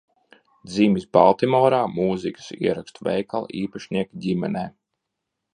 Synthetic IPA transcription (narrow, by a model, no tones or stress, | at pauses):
d̪ziːmisba̰lˠt̪imɔːɾaːmuːzikə̥siɛɾakst̪uvɛ̰jkalˠiːpaʃnʲiɛkɟimɛnɛː